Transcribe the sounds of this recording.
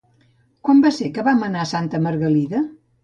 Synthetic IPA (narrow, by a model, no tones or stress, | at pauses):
kwambasekəβamənasant̪əməɾɣəliðə